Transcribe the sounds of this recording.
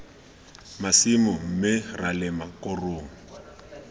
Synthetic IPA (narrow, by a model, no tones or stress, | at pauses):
masimʊm̩mɪralɪmakʼʊroːŋɔ